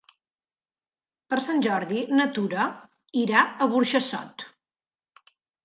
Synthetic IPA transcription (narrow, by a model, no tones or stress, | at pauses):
pəɾsanʲʒɔɾðinət̪uɾə | iɾaəɣuɾʃəsɔ̰t̪